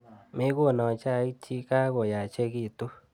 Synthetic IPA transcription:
me˦ɣo˦˨na˨t͡ʃa˦˨i˦t͡ʃi˦ka˦ɣo˨ja˨t͡ʃe˦ɣi˦˨to˦

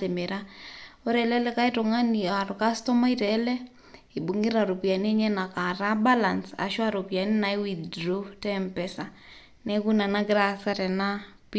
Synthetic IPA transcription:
te˨meɾao˦ɾɛlɛ˦lɛ˦ka˦ito˨ŋa˦ni˨a˨ɾʊ˨ka˦stɔ˦ma˦i˦ɾɛlɛ˦ | i˨bu˨ŋi˦ɾa˨ɾu˨pi˨a˨n˦e˦ɲɛ˦na˨ka˨ɾa˦ba˦la˨nsa̰˨ʃwa˦ɾo˨pja˨ni˦na˨iwiddɾu˦tɛmpɛsa˨ | nɛ˦ku˦na˨na˦ɡɾa˨sa˦ɾɛ˨na˦ | pi

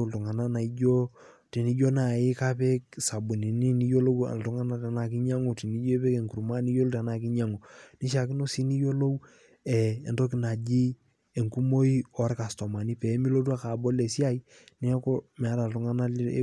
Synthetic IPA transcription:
ltu˨ŋa˨na˦na˨i˦ɟo˦ | ti˨ni˦ɟo˦na˨i˦ka˦pɛ˦k̚sa˨bu˨ni˨ni˦ni˦jo˦lo˦wa̰˨ltu˦ŋa˦na˦ta˨na˨k̬i˦ɲa˦ŋo˨ti˨ni˦d͡ʒo˦pɛ˦ke˨ŋku˨ɾma˦ni˦jo˦lo˦ta˨na˨ki˦ɲa˦ŋo˨ni˦ʃ̬a˨ki˦no˦si˦ni˦jo˦lo˦w | ɛ˨e˨ndɔ˦ki˦na˨d͡ʒi˦ | e˨ŋku˦mo˦i˦ɔ˨ɾka˨sto˨ma˨ni˦pɛ˨˦mi˦lo˦t̬u˦a˦ka˨bɔ˦le˨si˦a˦i | ni˦ko˦mɛ˨a˦ɾa˨ltu˨ŋa˦na̰˦

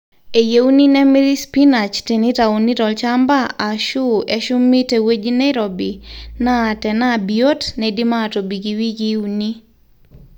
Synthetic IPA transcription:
e˨je˦u˦ni˦nɛ˦mi˦ɾi˦spi˦na˨t͡ʃte˨ni˦ta˨uni˦tɔ˨lt͡ʃa˦mba˦a˨ʃu˦e˨ʃʊ˦mːi˦te˨we˦d͡ʒi˦na˦ɪɾobi˨naː˦˨tɛ˨na˦˨bio˦tnɛdi˦maː˦˨to˨bi˨ɡi˨wi˦ɡi˦u˦ni˦

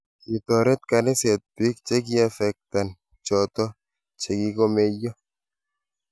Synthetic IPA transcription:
i˨t̪ɔ˨ɾɛ˦t̪̚ka˨nɪ˦sɛ˨t̪̚bi˦k̚t͡ʃe˦k̬i˦a˦fɛ˨k̚t̪a˨n | t͡ʃɔ˨t̪ɔ˦ | t͡ʃe˨ki˦ko˦me˦jːɔ˦

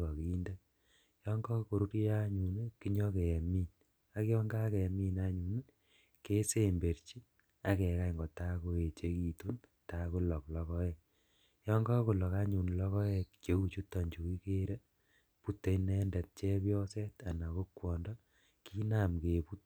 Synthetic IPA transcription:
kɔ˨ki˨˦nde˦ | jɔ˦ŋɡɔ˦ko˨ɾu˦ɾa˦ɲu˨ne˦ki˦ɲɔ˦ke˨miː˦n | a˦kɔ˦ŋɡa˦ke˨mi˦na˦ɲu˨ne˦ | ke˦se˦˨mbe˨ɾt͡ʃi˦ | a˨kɛ˨ka˦˨ŋɡɔ˨ta˦ko˦e˨t͡ʃe˦ki˨tu˦n | ta˦ku˦lɔ˨klɔ˦kɔ˦ɛ˨k̚ | jɔ˦ŋɡɔ˦ku˨lɔ˨ka˦ɲu˨nlɔ˦kɔ˦ɛ˧kt͡ʃe˨˦u˦˨t͡ʃu˦tːɔ˨ɲd͡ʒu˨ki˦ke˦ɾe˦ | pu˦tːe˨inɛ˦ndɛ˨t̚t͡ʃe˦pjɔ˦se˦ta˨na˨ko˦kwɔ˨ndɔ˦ | ki˦na˨mke˨pu˦t̚

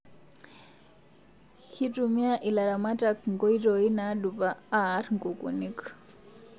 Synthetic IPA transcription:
xi˦tʼu˨mi˦a˦ʔi˨la˨la˨ma˦tʼa˨kŋɡɔ˦i˦tɔ˨i˦na˨˦du˨paː˦ɾŋɡu˨kʼṵ˨ni˦k

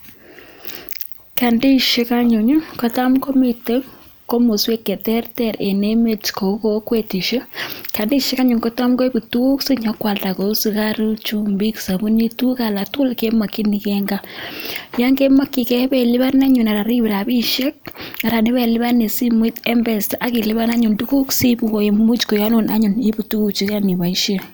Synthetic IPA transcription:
ka˨ndi˦ʃe˦ka˦ɲu˨ɲu˦ko˦ta˦mko˦mi˨te˦ | ko˦mo˨swe˦kːe˨tɛ˦ɾtɛ˨ɾe˨ne˦me˨tko˨˦ko˦kwe˨ti˨ʃe˦ka˨ndi˦ʃe˦ka˦ɲu˨ŋko˦ta˦mɡo˦bu˨tu˦ksi˦ɲa˦kwa˨lta˨ko˨u˦si˨ka˦ɾu˦t͡ʃu˦mbi˦ksa˨βu˦ni˦tu˦ka˨la˨tu˦lke˦ma˨kːi˦ni˨kɛŋɡa˦ | ja˦ŋɡe˦ma˦kːi˨kɛ˦bɛ˨lɪ˦βa˦na˦ɲu˨na˨ɾa˨ɾi˦βi˨ɾa˨bi˦ʃe˦k̚a˨ɾa˨nɪ˦βɛ˨lɪ˦βa˦ne˨si˦mwi˦tɛ˦mbɛ˨staʔa˦ki˨lɪ˦βa˦na˦ɲu˨ndu˦ku˦ksi˦bu˨ko˨e˨mu˦t͡ʃko˨ja˦no˨nʔa˦ɲu˨ni˦bu˨tu˦ku˨t͡ʃi˦kani˨βa˨i˦ʃe˦

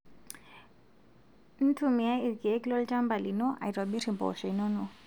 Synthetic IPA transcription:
n̩˦tʰu˨mi˨a˦i˨ɾki˨ɛ˦kilɔ˦lta˦mba˨li˨nɔ˦ʔa̰˨i˨twa˨ɓi˦ɾi˨mbɔ̰˨ʃɛ˨inɔ˦nɔ˨

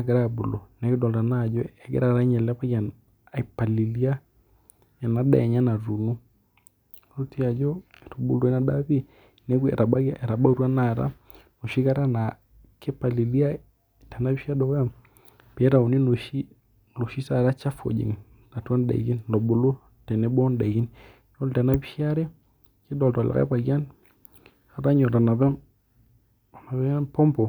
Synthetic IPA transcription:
a˦ɡɛ˨ɾa˦bo˨lɔ˨nɛ˨ki˦dɔ˨lɾa˨na˦˨d͡ʒɔ˦ɛ˨ɡɛ̰˦ɾa˦˨ɾa˨˦ɲɛ˨lɛ˦pa˦ɡa˨n | a˨i˨pa˨li˨li˦a˦ | ɛ˨na˦da̰˨ɛ˨ɲa˦na˨ɾu˨nu˦ | ɾo˦ti˦a˨d͡ʒɔ˦˨ɾo˨bu˦˨lo˨ɛ˦na˦da˦βi˦ | nɛ˦ɡuɛ̰˨ɾa˨ɓa˦ɛ˨ɾa˨ɓa˦u˦ɾwa˦na˨ɾa̰˦ | no˨ʃi˦ɣa˦ɾa˦na˨ | kɛ˦pa˨li˨li˦a˦ | tɛ˨na˦βi˦ʃa˦dɔ˨kja˦˨ | pi˨ɛ˦ɾa˨u˨ni˦lo˨ʃi˦ | lo˨ʃi˦sa˦˨ɾa˦t͡ʃa˦fo̰˨d͡ʒḭ˨ŋ | na˨tu˦a˦nda̰˨i˨ki˦nlɔ˨bo˨lo˦ | tɛ˨nɛ˨bɔ˦nda˨ɡi˦n | jɔ˦ltɛ˨na˦βi˦ʃi˦a˦ɾɛ˦ | ki˦dɔ˨ltɔ˨la̰˨a̰˦pa˨kja˦n | ka˨ɾa˦ɲɔ˨ɾa˨na˨βɛ˦ | na˨βɛ˦pɔ˦mpɔ˨

